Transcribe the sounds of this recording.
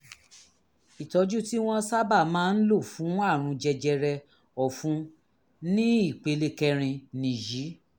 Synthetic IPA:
i˨tɔ˨˦d͡ʒu˦ti˦w̃ɔ̃˧sa˦ba˦˨mãː˦˧n̩˦lo˦˨fũ˨˦a˦˨ɾ̃ũ˧d͡ʒɛ˧d͡ʒɛ˧ɾɛ˧ | ɔ˨fũ˨˦ | nĩ˦i˦˨k͡pe˨˦le˦kɛ˧ɾ̃ĩ˧nĩ˨ji˨˦

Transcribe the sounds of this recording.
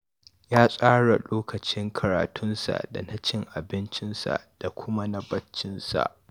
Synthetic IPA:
jaː˦sʼaː˦ɽa˨loː˦kɐ˨t͡ʃɪ˦ŋkʰɐ˨ɾaː˨tʰʊ˦nsa̰˨da̰˨na˦t͡ʃɪ˦ŋʔa˨bɪ˦nt͡ʃɪ˦nsa̰˨ʔd̥a˨kʷʊ˦ma˦nɐ˦bɐ˦t͡ʃːɪ˦nsa̰˨ʔ

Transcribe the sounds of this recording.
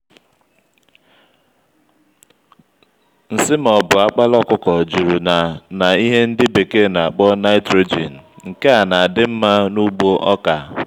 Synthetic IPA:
n̩˨sɪ˦m˨ɔ˨bʊ˨a˦k͡pa˦lɔ˦kʊ˦kɔ˨d͡ʒu˨ɾu˨na˨na˨i˦ɦe˦n̩˦dɪ˦be˨ke˦˨na˨a˨k͡pɔ˦na˦ɪ˦tɾo˦d͡ʒḭ˨n̩˨ŋ̩˨ke˦a˨na˨a˨dɪ˦m̩˦ma˦nu˦ɡ͡bo˦ʔɔ˦ka˨

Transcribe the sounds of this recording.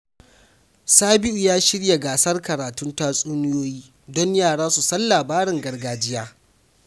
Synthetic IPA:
saː˦bɪ˦ʔu˨jaː˦ʃɪ˦ɽja˨ɡaː˨sɐ˦rkɐ˨ɾaː˨tʊ˦ntaː˦sʼuː˦nɪ˦joː˦jiː˦ | dɔ˦ɲjaː˦˨ɽaː˦su˨sɐ˦nːaː˨baː˦ɾɪ˨ŋɡɐ˨rɡaː˦d͡ʒɪ˦jaː˦

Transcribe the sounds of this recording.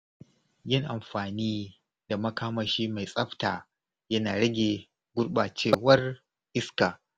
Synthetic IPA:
jɪ˦ŋʔa˨mɸaː˨niː˦ | d̥a˨mɐ˦kaː˦mɐ˨ʃiː˦ma˨jsʼɐ˦ɸtaː˨ | jɐ˦naː˨ɽɐ˦ɡʲeː˨ | ɡʷʊ˦ɽɓa˨t͡ʃeː˦˨wɐ˦r | ʔɪ˦skaː˨

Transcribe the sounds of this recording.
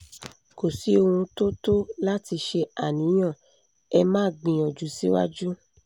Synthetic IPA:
ko˨si˨˦o˧hũ˧to˦to˦la˦ti˧ʃe˧a˨nĩ˨˦j̃ã˦˨ | ɛ˧mãː˦˨ɡ͡bĩ˧ɔ˨d͡ʒu˨˦si˦wa̰˦d͡ʒu˦

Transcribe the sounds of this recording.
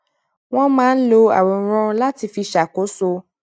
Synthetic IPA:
w̃ɔ̃˦mãː˦n̩˦lo˧a̰˨wɔ˨˦ɾ̃ɔ̃˧˦la˦ti˧fi˧ʃa˨ko˨˦so˧

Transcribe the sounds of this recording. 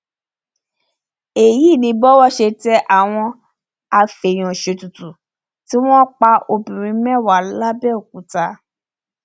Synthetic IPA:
e˨ji˦˨nĩ˧˦bɔ˦wɔ˦ʃe˧tɛ˦ʔa˦˨w̃ɔ̃˧ | a˧fe˨j̃ɔ̃˨ʃe˧tu˨tu˨ | ti˦w̃ɔ̃˦k͡pa˧o˧bĩ˨ɾ̃ĩ˧˦mɛ̃˦˨wa˨˦la˦bɛ˦o˨k̚u˨ta˧

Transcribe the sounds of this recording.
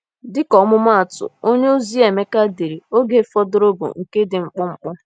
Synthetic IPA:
dɪ˦kɔ˨˦mʊ˦m˦a˦a˨tʊ̰˨o˦ɲe˦o˦zi˦e˨me˦ka˦de˨ɾi˨o˦ɡe˨˦fɔ˦dʊ˦ɾo˦bo̰˨ŋ̩˨ke˦dɪ˨ŋ͡m̩˦k͡pʊ˦ŋ͡m̩˦k͡pʊ˦

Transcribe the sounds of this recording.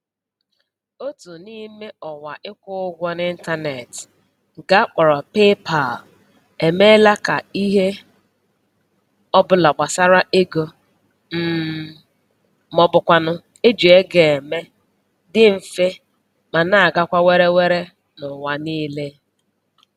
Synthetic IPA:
o˦tu˨ni˦me˦ɔ˨wa˨ʔɪ˦kʷʊ˦ʊ˦ɡʷɔ˦n˦ɪ˦n̩˦ta˦ne˨t | ɡa˦k͡pɔ˨ɾɔ˨pe˦pʰa˨l | e˨me˦la˦ka̰˨i˦ɦe˦ | ɔ˦bʊ˨la˨ɡ͡ba˨sa˦ɾa˦ʔe˦ɡo˨ | m̩˦ | mɔ˨bʊ˨kʷa˨nʊ˦ | e˦d͡ʒu˨e˦ɡe˨e˨me˦ | dɪ˦m̩˨fe˦ | ma˨na˦a˨ɡa˦kʷa˦we˦ɾe˦we˦ɾe˦ | nʊ˨wa˨niː˦le˦

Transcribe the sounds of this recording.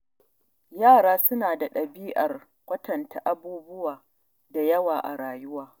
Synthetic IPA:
jaː˦˨ɽaː˦sʊ˦naː˨da˨ɗɐ˨biː˦ʔɐ˨r | kʷɐ˦tɐ˨nta˨ʔa˦buː˦bʊ˦waː˨ | da˨jɐ˦waː˨ʔa̰˨ɽaː˨jʊ˦waː˨

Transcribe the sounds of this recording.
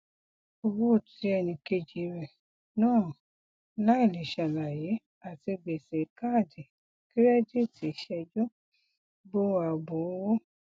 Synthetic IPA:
o˧wu˦˨ti˨˦ɛ˧˨nĩ˧ke˧d͡ʒi˨˦ɾɛ˨ | nãː˦˨ | la˦i˦˨li˨ʃa˨la˨je˨˦ | a˨ti˧be˨se˨˦ka˦˨di˨ | ki˦ɾɛ˦di˦˨ti˨˦ʃɛ˧d͡ʒo˦ | bo˦wa˨bo˨˦wo˦

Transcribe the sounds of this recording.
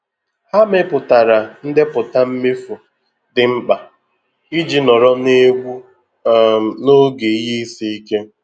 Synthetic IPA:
ha˦mɪ˦pʊ˨ta˨ɾa˨n̩˦dɪ˦pʊ˨ta˦m̩˦me˦fu˨ | dɪ˨ŋ͡m̩˦k͡pa˨ | i˦d͡ʒi˦nɔ˨ɾɔ˦ne˦ɡʷu˦˨ | no˦ɡe˨i˦ɦi˦i˦si˦i˦ke˦

